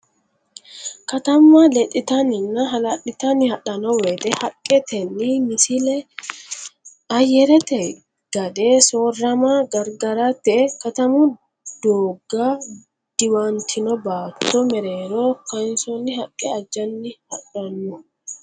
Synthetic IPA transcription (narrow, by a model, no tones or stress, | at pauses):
kɐt̪ɐmːɐlɛtʼːɪt̪ɐnɪnːɐɦɐlɐᶑɪt̪ɐnːɪhɐᶑɐnɔwɛt̪ɛhɐkʼːɛt̪ɛnːɪmɪsɪlɛ | ɐjɛɾɛt̪ɛ | ɡ̥ɐd̪eːsoːrːɐmaɡɐɾɡɐɾɐt̪ɛkɐt̪ɐmʊ | d̪̥oːɡaː | d̪̥ɪwant̪ʰɪnɔbaːt̪ːɔmɛɾeːɾokɐɪnsɔnːɪɦɐkʼːɛɐd͡ʒːɐnːɪhɐᶑɐnːɔ